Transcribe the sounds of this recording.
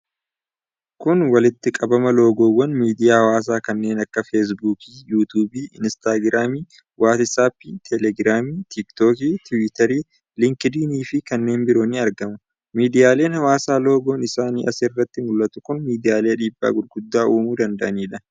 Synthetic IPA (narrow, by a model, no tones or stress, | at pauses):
kʊnwɐlɪt̪ːɪkʼɐbɐmɐlo̞ːɡo̞ːwːɐnmiːd̪ɪjaːhɐwaːs̬aːkɐnːe̞ːnɐkːɐfes̬buːkiːjuːt̪uːbiːɪ̰nst̪aːɡɪɾaːmiː | wʔaːt̪ɪsaːpːit̪ʰɛlɛɡɾaːmiːt̪ɪkt̪oːkiːt̪ʊwɪt̪ɐɾiː | lɪŋkɛd̪iːniːfɪkɐnːe̞ːnbɪɾo̞ːniɐɾɡɐmʊ | miːd̪ɪjaːle̞ːnhɐwaːsaːlo̞ːɡo̞ːnɪsaːniːʔɐsɪrːɐt̪ːɪmʊlːɐt̪ʊkʊnmiːd̪ɪjaːleːɐᶑiːbːa̰ːɡʊlɡ̥ʊd̪ːaːuːmuːd̪ɐnd̪ɐʔɐniːᶑɐ